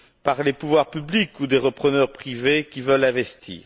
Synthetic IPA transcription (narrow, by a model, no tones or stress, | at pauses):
paʁlepuvwaʁpyblikud̪eʁəpχənœʁpχivekʲivəlɛ̃vɛst̪ʰḭːʁ